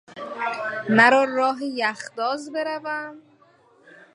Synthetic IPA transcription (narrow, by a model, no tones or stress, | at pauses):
mæɾɒːrɒːɦejæxd̪ɒːzbe̞ɾævæm